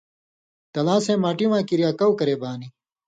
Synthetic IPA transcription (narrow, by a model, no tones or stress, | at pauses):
t̪ɐlãːsẽːmaːʈiwãːkiɾjaːkɐwkɐɾeːbaːni